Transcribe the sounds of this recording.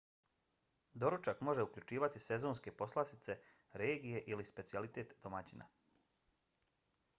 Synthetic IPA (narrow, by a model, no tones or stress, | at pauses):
d̪o̞ɾut͡ʃakmo̞ʒe̞ukʎʲut͡ʃiːʋat̪ise̞zonske̞po̞slˠat̪it̪se̞ | ɾeːɡije̞ʔilispe̞t̪sialit̪e̞ːt̪d̪̥omat͡ɕina̰